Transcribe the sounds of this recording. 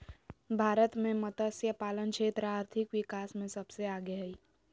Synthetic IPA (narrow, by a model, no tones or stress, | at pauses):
bʱaːɾət̪mẽmət̪əsjəpaːlənkʃeːt̪ɾəaːɾt̪ʰikʋikaːsmẽsəbseaːɡeɦəi